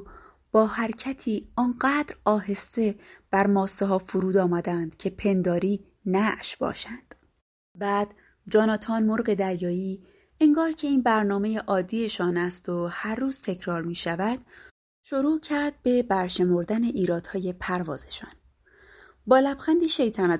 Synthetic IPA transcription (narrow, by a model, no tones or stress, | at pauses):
b̥ɒːhæɾcʰæt̪ʰiːɒːnɢæːd̪ɾɒːɦe̞st̪e̞b̥æɾmɒːsːeɦɒːfuɾuːd̪ɒːmæd̪ænd̪̥cʰe̞pʰe̞nd̪ɒːɾiː | næʔʃb̥ɒ̰ːʃænd̪̥ | bæːd̪̥ | d͡ʒɒːnɒːt̪ʰɒːnmo̞ɾɢe̞d̪æɾjɒːiː | eŋɡɒːɾcʰe̞iːnbæɾnɒːme̞jeʔɒːd̪ːiːe̞ʃɒːnæst̪ohæɾːuːz̥t̪ʰe̞cʰɾɒːɾmiːʃævæd̪̥ | ʃoɾuːcʰæɾd̪̥̚be̞bæɾʃe̞mo̞ɾd̪æne̞ʔiːɾɒːd̪̥hɒːje̞pʰæɾvɒ̰ːze̞ʃɒ̰ːn | bɒːlæbxænd̪iʃe̞jt̪ʰænɒ